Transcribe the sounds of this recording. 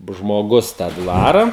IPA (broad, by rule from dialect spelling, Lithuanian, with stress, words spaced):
ʒmoːˈɡʊs tɑː ˈdʋɑːrɐ